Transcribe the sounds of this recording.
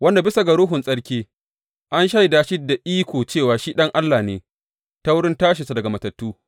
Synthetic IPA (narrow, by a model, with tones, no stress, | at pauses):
wɐ˦nda˨bɪ˦sa˨ɡɐ˨ɽʊː˦ɦʊ˨nsʼɐ˦ɽkʲeː˦ | ʔa˦nʃa˦ji˨daː˦ʃi˦da˨ʔiː˦kʷoː˨t͡ʃeː˦˨waː˨ʃiː˦ɗɐ˦ŋʔa˦lːaː˨neː˨ | ta˦wʊ˦ɽɪ˦ntaː˦ʃ̬ɪ˨sa˨dɐ˨ɡa˨mɐ˨tɐ˨tːuː˦